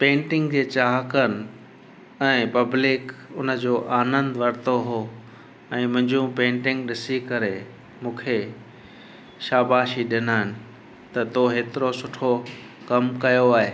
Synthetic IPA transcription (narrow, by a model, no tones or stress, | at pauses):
pẽːɳʈɪ̃ŋɡd͡ʑeːt͡ɕaːɦəkənɪ | ɛ̃ːpɐblɪkʊnə̆d͡ʑoːʔaːnə̃nd̪ʋɐɾt̪oɦoː | ɛ̃ːmʊ̃ɦɪ̃ɲd͡ʑũpẽːɳʈɪ̃ŋɡɗɪsikɐɾe | mũːkʰe | ʃaːbaːʃiɗɪnaːɦɪnɪ̆ | t̪ɐt̪oɦeːt̪ɪɾosʊʈʰo | kɐmkɐjoaːɦeː